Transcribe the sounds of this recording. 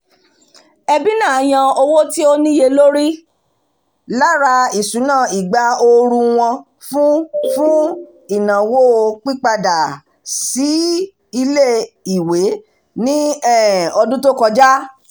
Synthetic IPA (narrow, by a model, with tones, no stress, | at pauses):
ɛ˧bi˦nãː˦˨j̃ã˧o˧wo˦ti˦o˦nĩ˦je˧lo˦ɾi˦ | la˦ɾa˧i˨sũ˨˦nãː˦˨i˨ɡ͡ba˨˦o˧ɾũ˧w̃ɔ̃˧ | fũ˦fũ˦ | i˨nã˨wo˦o˧k͡pi˦k͡pa˧da˨ | si˨˦ | i˧le˦˨i˨we˨˦ | nĩ˦ɛ˦˨ɔ˧dũ˦to˦kɔ˧d͡ʒa˦